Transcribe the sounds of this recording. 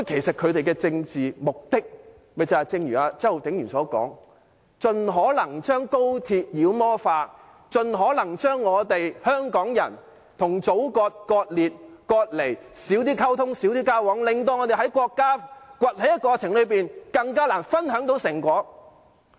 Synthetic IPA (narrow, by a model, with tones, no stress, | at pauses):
kɔ˥kʰe˨˩jsɐ˨t̚kʰɵ˨˧ɥt̪e˨jkɛː˧t͡sɪ˧ŋt͡siː˨mʊ˨k̚t̪ɪ˥k̚ | mɐ˨jt͡sɐ˨˩t͡sɪ˧ŋjyː˨˩aː˧t͡sːho˨wt̪ʰɪ˨˥ŋjyː˨˩nsɔː˨˥kɔ̰ː˨˥ŋ | t͡sɵ˨nɦɔː˨˥lɐ˨˩ŋt͡ʃœː˥ŋko˥wt̪ʰiː˧t̚jiː˨˧wmɔː˥faː˧ | t͡ʃɵ˨nɦɔː˨˥lɐ˨˩ŋt͡ʃœː˥ŋːɔː˨˧t̪e˨jhœː˥ŋkɔː˨˥ŋjɐ̰˨˩n | t̪ʰʊ˨˩ŋt͡so˨˥wkɔː˧t̚kɔː˧t̚liː˨t̚kɔː˧t̚le˨˩jsiː˨˥wt̪̬iː˥kʰɐ˥wt̪ʰʊ˥ŋsi˨˥wt̪iː˥kaː˥wɔː˨˥ŋlɪ˨ŋt̪̬o˧wŋɔː˨˧t̪e˨jɦɐ˨˥jkʷɔː˧kːaː˥kʷɐ˨t̚hɐ˨˥jɐ˥t̚kɔː˧t͡sʰɪ˨˩ŋlɵ˨˧ɥpiː˨nkɐ˧ŋkaː˥laː˨˩nfɐ˥nɦœː˨˥ŋt̪o˨˥wsɪ˨˩ŋkʷɔː˨˥